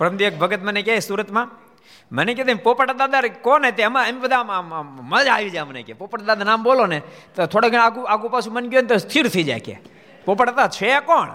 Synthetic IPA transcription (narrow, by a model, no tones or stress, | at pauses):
pɾəmd̪iək̚bʱəɡət̪mənekaesuːɾət̪mãː | mənek̬ed̪empoːpəʈad̪aːd̪aɾkoːnet̪eməmibəd̪ʱãməd͡ʒaːʋid͡ʒaːmnḛːkḛːpoːpəʈad̪aːd̪anaːmboːloːnet̪ot̪ʰoːɽaɡəɽaːkuaːkupaːsʰumənɡjoːnet̪ost̪ʰiːɾt̪ʰəiːd͡ʒa̰jkḛː | poːpəʈat̪aːt͡ʃʰeakoːɳ